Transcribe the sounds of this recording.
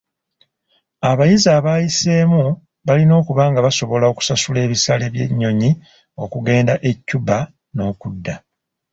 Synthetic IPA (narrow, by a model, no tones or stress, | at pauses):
aβajizaːβaːjiseːmu | βalino̞ːkuβaːŋɡaβaso̞βo̞lao̞ku̥sasule̞ːβisale̞βje̞̰ɲːo̞ɲi | o̞kuɡe̞ːndaʔe̞cːuba | no̞ːkudːa